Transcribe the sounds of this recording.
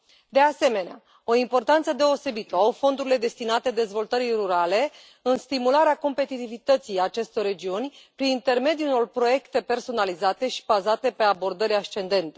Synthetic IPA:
d̪e̞ase̞me̞nea | o̞impo̞rt̪ant̪səd̪e̞o̞se̞bit̪əawfo̞nd̪uɾile̞d̪e̞st̪inat̪e̞d̪e̞zvo̞lt̪əɾijruɾale̞ | ɨnst̪imulaɾeako̞mpe̞t̪it̪ivit̪ət̪sijat͡ʃe̞st̪o̞re̞d͡ʒiunʲpɾinint̪e̞rme̞d̪iuno̞rpɾo̞je̞kt̪e̞pe̞rso̞nalizat̪e̞ʃi̥bazat̪e̞pe̞abo̞rd̪əɾʲaʃt͡ʃe̞nd̪e̞nt̪e̥

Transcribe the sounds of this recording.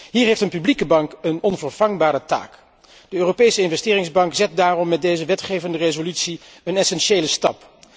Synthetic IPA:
ɦiːɹɦejftənpyblikəbɑŋkənɔnvəɹv̥ɑŋbaːɾəta̰ːk | d̥əøːropejsəɪnvɛstɪːrɪŋzbɑŋkzɛt̚daːrɔmːɛt̚dejzəʋɛtχejvəndərezolytsi | ənɛsɛnʃejləstɑp

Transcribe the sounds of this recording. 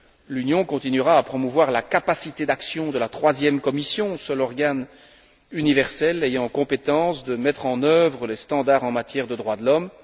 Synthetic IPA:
lynjɔ̃kɔ̃t̪inyʁaːpχɔmuvwaʁlakapasit̪ed̪aksjɔ̃d̪əlat̪χwazjɛmkɔmisjɔ̃sœlɔʁɡan | ynivɛʁsɛlejɑ̃kɔ̃pet̪ɑ̃sd̪əmɛt̪χɑ̃nœvʁəlɛst̪ɑ̃d̪aʁɑ̃mat̪jɛʁd̪əd̪ʁwad̪əlɔm

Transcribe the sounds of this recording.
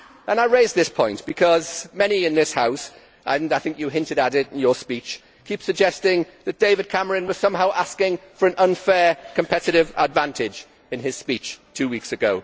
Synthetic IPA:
ʔə̃naɪɹeɪzðɪspʰɔ̃ɪ̃nb̥ɨkʰʌzmɛñiɪ̃nðɪshaʊs | ʔə̃naɪθɪ̃ŋkjəɦɪ̃ntɨɾəɾɪɾ̃n̩jəspit͡ʃ | kʰipsəɡ̚d͡ʒɛstɪ̃ŋðɨt̚d̥eɪvɨd̚kʰaməɹɨ̃nwʌz̥sʌ̃mɦaʊʔaskɪ̃ŋfə˞ə̃nʔə̃nfɛːkʰə̃mpʰɛtɨɾɪvə̰dvãntʰɪd͡ʒ | ɨ̃nɪz̥spit͡ʃtʰʉːwiksɨɡoʊ

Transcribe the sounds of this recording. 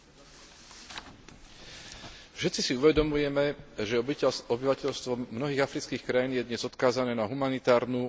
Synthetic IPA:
fʃɛt̪t͡sisiuʋɛd̪ɔmujɛmɛʒɛɔbiʋacɛʎst̪ʋɔmnɔɦiːɣafɾit͡skiːxkɾajiːnjɛd̪ɲɛzɔt̪kaːzanɛːnaɦumanit̪aːɾnu

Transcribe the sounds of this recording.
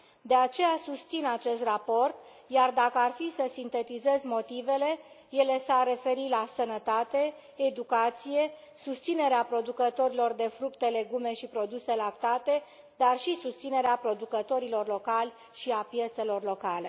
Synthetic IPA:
d̪e̞at͡ʃe̞jasust̪sinat͡ʃe̞st̪rapo̞rt̪ | jard̪akəarfisəsint̪e̞t̪ize̞zmo̞t̪ive̞le̞ | je̞le̞sarːe̞fe̞ɾilasənət̪at̪e̞ː | d̪ukat̪sije̞ | sust̪sine̞ɾeapɾo̞d̪ukət̪o̞ɾilo̞rd̪e̞fɾukt̪e̞le̞ɡume̞ʃipɾo̞d̪use̞lakt̪at̪e̞ | d̪arʃisust̪sine̞ɾeapɾo̞d̪ukət̪o̞ɾilo̞rlo̞kalʲ | ʃiapjet̪se̞lo̞rlo̞kale̞

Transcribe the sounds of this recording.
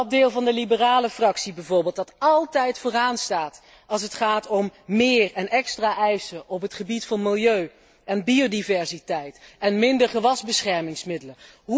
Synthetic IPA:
dɪːlˠvɑndəlibəraːləfrɑksibɛjvʊːɹbɪːlˠt̚dɑtɑlˠtɛjtfoːraːnstaːt | ɑlˠs̬ətχaːtɔmːɪːrɛnɛkstraːʔɛjsəʔɔpɦətχəbitfɑnmɪlˠjøɥ | ɛnbiodivɛɹsitɛjtɛnmɪndəɹχəʋɑzbəsχɛɹmɪŋsmɪdələ | ɦ

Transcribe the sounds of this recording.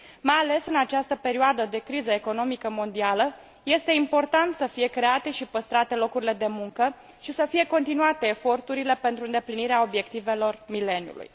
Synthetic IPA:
majale̞sɨnat͡ʃast̪əpe̞ɾioad̪əd̪e̞kɾizəeko̞no̞mikəmo̞nd̪ialə | je̞st̪e̞impo̞rt̪ant̪səfije̞kɾe̞at̪e̞ʃipəst̪ɾat̪e̞lo̞kuɾile̞d̪e̞muŋkə | ʃisəfije̞ko̞nt̪inuat̪e̞ːfo̞rt̪uɾile̞pe̞nt̪ɾuɨnd̪e̞pliniɾeao̞bje̞k̚t̪ive̞lo̞rmile̞njṵlṵj

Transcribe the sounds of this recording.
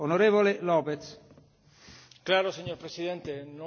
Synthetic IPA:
onoɾevolelɔpet̪s | klaɾoseɲoɾpɾesiðent̪enõ

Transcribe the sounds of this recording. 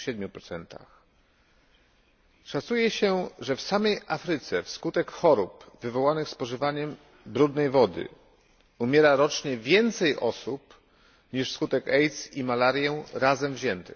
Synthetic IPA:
ɕɛd̪̚mʲjupɾɔt̪sɛnt̪a̰x | ʂat̪sujɛɕɛʐɛfsamɛjʔafɾɘt̪sɛfskut̪ɛkxɔɾupvɘvɔwanɘxspɔʐɘvaɲɛm | bɾud̪nɛjvɔd̪ɘ̰ | umʲjɛɾaɾɔt͡ʂɲɛvʲjɛnt̪sɛjʔɔ̰sup | ɲiʂskut̪ɛkɛjt̪simalaɾjɛɾazɛmvʑɛnt̪ɘx

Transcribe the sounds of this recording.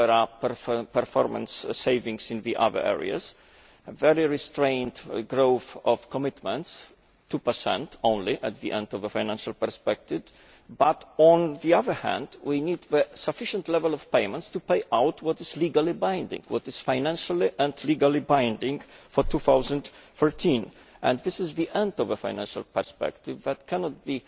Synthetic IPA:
ɛɹapə˞fpə˞fɔɹmə̰̃nsːeɪvɪ̃ŋsɪ̃nðiʔa̰ðə̰˞ʔɛ̰ɹḭa̰z | vɛɹiɹistɹẽɪ̃ntɡɹoʊθɔv̥kɔmɪtmə̃nts | tːupə˞sɛ̰̃ntʰõʊ̃nliʔæt̪̚ðiʔɛ̰̃ndɔvðəfãɪnæ̃nʃalˠpə˞spɛk̚t̪ɪv | batɔ̃nðiaðə˞hæ̰̃ndwʔinid̪ðəsafɪʃə̃ntlɛvəlˠɔv̥peɪmə̃ntstupeɪʔawtʰwɔtɨzliɡalˠibãɪ̃ndɪ̰̃ŋwɔtɨz̥fãɪnæ̃nʃaliʔæ̃ndliɡalibãɪ̃ndɪ̃ŋfɔɹtʰuθawzə̃nd̪fɔɹtʰĩn | ʔɛ̰̃nðɪsɨzðiʔɛ̃ndɔvəfã̰ɪ̃næ̃nʃa̰lˠpə̰˞spɛ̰kt̪ɪvðæt̚kʰænɔt̚b̥i

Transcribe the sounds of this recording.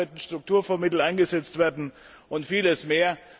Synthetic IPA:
ɪtn̩ʃtʁ̥ʊk̚tuːɐfɔɐmɪtl̩aɪnɡəzɛt͡stv̥eːɐdn̩ | ʔʊntfiːləsmeːɐ

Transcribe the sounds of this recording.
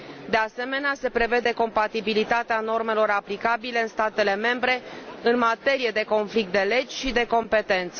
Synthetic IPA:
d̪e̞ase̞me̞nease̞pɾe̞ve̞d̪e̞ko̞mpat̪ibilit̪at̪eano̞rme̞lo̞ɾaplikabile̞ɨnst̪at̪e̞le̞me̞mbɾe̞ɨnmat̪e̞ɾije̞d̪e̞ko̞nflik̚t̪̚d̪e̞le̞d͡ʒʲʃid̪e̞ko̞mpe̞t̪e̞nt̪sə

